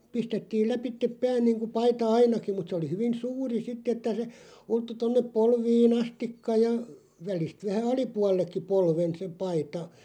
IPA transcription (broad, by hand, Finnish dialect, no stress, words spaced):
pistetːiːl læpitːep pæːn niːŋku pɑitɑ ɑinɑki mut se oli hyʋin suːri sitː etːæ se ultːu tonːep polʋiːn ɑstikːɑ jɑ ʋælist ʋæhæ ɑlipuɑlˑekːi polʋen se pɑitɑ